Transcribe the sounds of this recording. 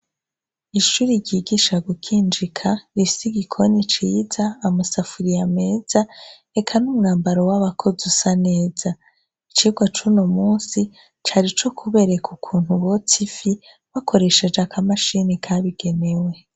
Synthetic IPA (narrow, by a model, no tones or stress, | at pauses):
iʃuːɾiɾɟiːɡiːʃaɡukʰiːnd͡ʒikʰaɾifisiɡikʰo̞nit͡ʃiːzaːmusafuɾijame̞ːz̥a | e̞kʰanumŋaːmbaɾo̞waβakʰo̞zusane̞ːza | it͡ʃiɡwat͡ʃunomuːnsi | t͡ʃaɾit͡ʃo̞kʰuβe̞ɾe̞kʰukʰuːn̥huβot͡sifi | βakʰo̞ɾe̞ʃe̞d͡ʒakʰamaʃinikʰaβiɡ̥e̞ne̞we̞